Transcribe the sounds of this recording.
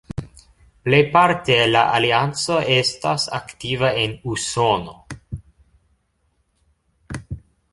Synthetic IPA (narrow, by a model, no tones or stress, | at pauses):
plejpaɾt̪elaʔaliant͡so̞ʔestasa̰kt̪ivaenusono̞